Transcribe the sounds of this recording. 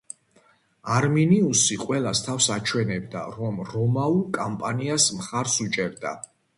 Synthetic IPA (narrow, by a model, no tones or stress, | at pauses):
aɾminiusiqʼwɛlast̪ʰafsat͡ʃʰwɛnɛb̚d̪a̰ɾɔmɾɔmaukʼampʼaniasmχaɾsut͡ʃʼɛɾd̪a̰